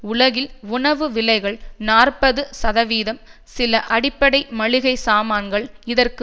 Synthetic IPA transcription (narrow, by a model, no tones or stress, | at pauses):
ʊɭɐɣɪlʊɳɐʋɯʋɪlɐɪɣɐɭnaːrpɐðɯsɐðɐʋiːðɐm | sɪlɐʔɐɽɪpːɐɽɐɪmɐɻɪɣɐɪsaːmaːnɡɐɭɪðɐrkɯ